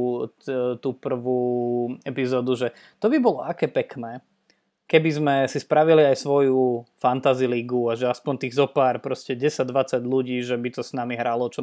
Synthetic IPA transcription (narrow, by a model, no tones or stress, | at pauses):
t̪uːpr̩ʋuːɛpizɔːd̪uʒɛ | t̪ɔbibɔlɔakɛːpɛknɛː | kɛbizmɛsispɾaʋiliajsʋɔjufant̪aziliɡuaʒɛaspɔnt̪iːɣzɔpaːɾpɾɔscɛɟɛsad̪ʋat͡saɟʎuɟiːʒɛbit̪ɔsnamiɦɾalɔt͡ʃɔ